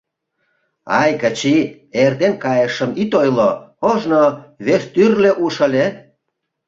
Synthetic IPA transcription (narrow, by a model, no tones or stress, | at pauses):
ɑjkət͡ɕi | ert̪enkɑjəʃə̆mit̪ojlooʒnoβest̪yrleʔuʃə̆lʲe